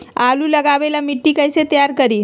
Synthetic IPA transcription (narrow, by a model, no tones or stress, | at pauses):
aluːləɡaʋelamiʈːiːkəjset̪əjaɾkəɾiː